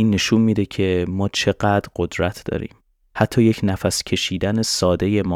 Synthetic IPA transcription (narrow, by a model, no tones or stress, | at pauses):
iːnːe̞ʃunmiːd̪e̞cʰe̞mɒːt͡ʃʰe̞ɢæd̪̥ɾɢ̥o̞d̪ɾæt̪ʰd̪ɒ̰ːɾḭːm | hæt̪ʰːɒːje̞cʰnæfæscʰe̞ʃiːd̪æne̞sɒːd̪e̞je̞mɒ